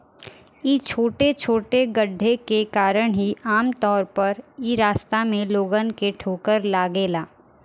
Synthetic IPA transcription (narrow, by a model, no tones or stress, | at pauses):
it͡ʃʰoːʈet͡ʃʰoːʈeɡəɖʱːekekaːɾəɽ̃ɦiaːmt̪ɔːɾpɐɾiːɾaːst̪amẽloːɡənkeʈʰoːkəɾlaːɡeːlaː